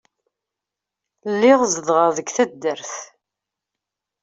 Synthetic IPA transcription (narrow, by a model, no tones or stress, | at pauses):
lːɪʁzəðʁəðəɡθæd̪ːəɾθ